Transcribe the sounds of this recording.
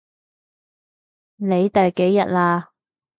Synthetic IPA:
ne˨˧jt̪ɐ˨jke˨˥jːɐ˨t̚laː˧

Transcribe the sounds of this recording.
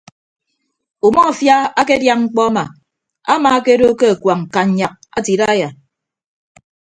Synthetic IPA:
u˨mɔ˦a˨fja˦a˦ke˦dja˦ŋŋ͡m̩˦k͡pɔ˦a˦ma˨ | a˦ma˨a˦ke˦do˦ke˦a˨kwa˨ŋŋ̩˨ka˨ɲ̩˨ɲa˨k̚a˦ti˨ɾa˦ja˨

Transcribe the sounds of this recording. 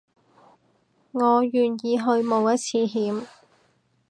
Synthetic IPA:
ŋɔː˨˧jyː˨˩njiː˨˧ɦɵ˧ɥmo˨˧wjɐ˥t̚t͡sʰiː˨˧ɦiː˨˥m

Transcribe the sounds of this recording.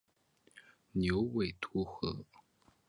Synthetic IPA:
njo˧˥ʊwe˨˩ɪt̪ʰu˧˥xɤ˧˥˦

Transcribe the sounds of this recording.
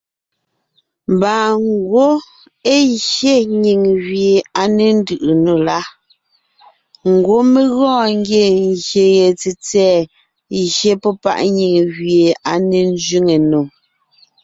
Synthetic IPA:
m˨baː˨ŋ˦ɡwo˦ | e˦ʒje˦ɲi˨ŋɣɥje˨a˨ne˨n̩˦dɯ˨ʔɯ˨no˨la˦ | ŋ̩˨ɡwo˦me˦ɣɔ̃ː˦˨ŋ˦ɡje˦˨ŋ˨ɣje˨ɣe˨t͡se˨t͡sɛː˦˨ | ʒje˦pɔ˦pa̰˦ʔɲi˨ŋɣɥje˨a˨ne˨n˦d͡ʒɥi˦ŋe˨no˨

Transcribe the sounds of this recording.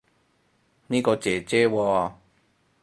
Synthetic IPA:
nĩ˦kɔ˧t͡ɕe˨˩t͡ɕe˦wɔ˧

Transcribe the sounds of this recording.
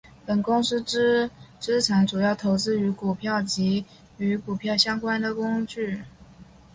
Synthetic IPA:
pə˨˩nkʊ˥ŋʂ̩˥ʈ͡ʂɻ̩˥t͡sʰa˧˥nʈ͡ʂu˨˩jɑ˥˩ʊt̪ʰo˧˥ʊt͡sɹ̩˥y˧˥ku˨˩pʰjɑ˥˩ʊt͡ɕi˧˥ | y˧˥ku˨˩pʰjɑ˥˩ʊɕjɑ˥ŋkwa˥nd̪ə˨kʊ˥ŋt͡ɕy˥˩

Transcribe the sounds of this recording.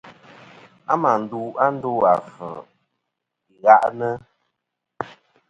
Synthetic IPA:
a˦ma˨n̩˨du˦a˦n̩˦do˦a˨fə˨ | ɣa˦ʔnə˦

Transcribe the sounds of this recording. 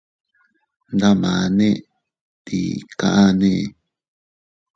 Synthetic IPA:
nd̪a˦mã˨nẽ˦ | t̪ḭ˨kã̰˦ʔa˦nẽ˦˨

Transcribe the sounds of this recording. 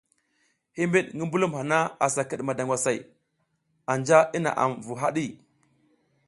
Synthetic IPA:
hi˦mbi˦ɗŋɡə˦mbu˦lu˦mha˨na˦a˨sa˨kə˨ɗma˨da˨ŋɡʷwa˨sa˨j | a˨nd͡ʒa˦i˦na̰˨ʔa̰˨mvu˨ɦa˦ɗi˦

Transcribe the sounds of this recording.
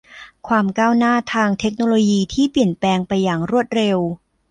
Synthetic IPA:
kʰwaː˧mkaː˥˩wnaː˥˩t̪ʰaː˧ŋt̪ʰe˦˥k̚noː˧loː˧jiː˧t̪ʰiː˥˩pli˨˩ənpɛː˧ŋpa˧jːaː˨˩ŋɾu˥˩ət̪̚ɾe˧w

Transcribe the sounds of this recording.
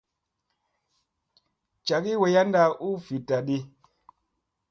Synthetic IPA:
t͡ʃa˨ki˦we˨ja˦nda˦˨u˦fi˨ta˨ɗi˦

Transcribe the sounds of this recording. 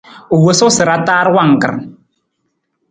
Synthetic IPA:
o˨wo˨˦so˦sɨ˨ɾa˦taː˦ɾwa˦˨ŋ̩˨kɨ̰˨ɾ

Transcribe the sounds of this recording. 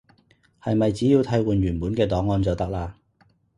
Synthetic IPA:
hɐ˨jmɐ˨jt͡siː˨˥jiː˧wt̪ʰɐ˨˥jwuː˨˧nɥyː˨˩npuː˨˥nkɛː˧t̪ɔː˨˥ŋːɔː˧nt͡sɔː˨t̪ɐ˥k̚laː˧

